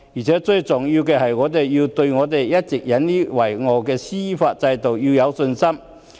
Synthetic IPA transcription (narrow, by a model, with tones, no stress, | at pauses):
jiː˨˩t͡sʰɛː˨˥t͡sɵ˧ɥt͡sʊ˨˩ŋji˧wkɛː˧hɐ˨jŋɔː˨˧˥t̪̬e˨jːi˧wt̪ɵ˧ɥŋɔː˨˧t̪̬e˨jjɐ˥t̚t͡sɪ˨k̚jɐ˨˥nliː˥wɐ˨˩jŋɔː˨˩kɛː˧siː˥faː˧t̚t͡sɐ˧jt̪o˨wji˧jɐ˨˧wsɵ˧nsɐ˥m